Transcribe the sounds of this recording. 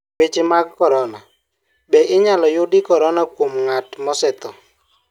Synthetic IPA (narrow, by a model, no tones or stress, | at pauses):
bɪt͡ʃɪmakkɔɾɔna | bɛʔɪɲalɔjʊdɪkɔɾɔnakwomŋatmɔsɛt̪ɔ